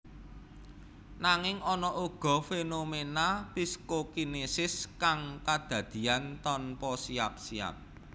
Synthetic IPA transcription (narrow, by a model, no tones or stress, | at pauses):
naŋɪŋɔnɔʔuɡ̥ɔ̤fenomenapiskokinesɪskaŋkad̪̥ä̤d̪̥i̤ant̪ɔnpɔsiap̚sia̰p̚